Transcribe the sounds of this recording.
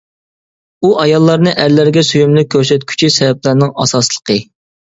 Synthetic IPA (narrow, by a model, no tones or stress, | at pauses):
uʔɑjɑlˠːɑɾnɨʔæɾlæɾɡʲɛsyjymlyk̚ʲʰːøɾsɛt̪̚kʲʰy̥t͡ʃʰisɛvɛp̚læɾnɪŋɑ̰sɑslˠə̥qʰə